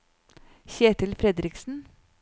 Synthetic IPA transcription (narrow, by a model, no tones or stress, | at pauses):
çeːʈɪlfɾɛd̪ɾɪksn̩